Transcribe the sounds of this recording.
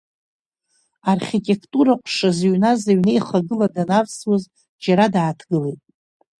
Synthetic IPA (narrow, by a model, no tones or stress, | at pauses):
arχʲitʼe̞kʰtʼuɾaqʷʼʂazɥnazaɥnejχaɡɨladanavswoz | d͡ʒaɾadaːtʰɡɨlejtʼ